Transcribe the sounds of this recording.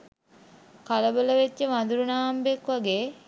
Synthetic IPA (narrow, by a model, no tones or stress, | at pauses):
kaləbələʋet̪jəmand̪uɾunaːmbekʋaɡeː